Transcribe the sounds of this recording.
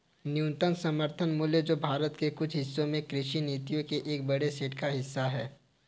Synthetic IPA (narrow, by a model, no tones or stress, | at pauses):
njũːnt̪ənsɐməɾt̪ʰənmʊːljəd͡ʒoːbʱaːɾət̪kekʊt͡ʃʰɦɪsːõmẽkɾɪʃineːt̪ijõkeʔeːk̚bɐɽeseːʈkaɦɪsːaɦɛː